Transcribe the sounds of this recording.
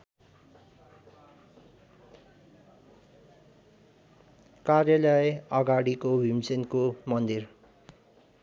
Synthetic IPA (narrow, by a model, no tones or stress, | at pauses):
karjʌlʌjʌɡaɽikobʱimsenkomʌnd̪ir